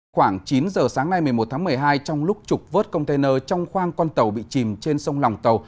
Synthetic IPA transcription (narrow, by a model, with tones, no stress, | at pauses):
xwaː˧˩ŋt͡ɕi˨˦nzəː˨˩saː˨˦ŋna˧jmɨ˨˩əjmo˨˩t̪̚ʰaː˨˦mɨ˨˩əjɦaː˧jt͡ɕɔ˧wŋ͡mlʊ˦˥k͡p̚t͡ɕʊ˨˩k͡p̚vəː˦˥t̚kə˧wŋ͡mt̪e˧jnəː˧t͡ɕɔ˧wŋ͡mxwaː˧ŋkɔ˧nt̪ə˨˩wɓḭ˧˨t͡ɕi˨˩mt͡ɕe˧nsə˧wŋ͡mla˨˩wŋ͡mt̪ə˨˩w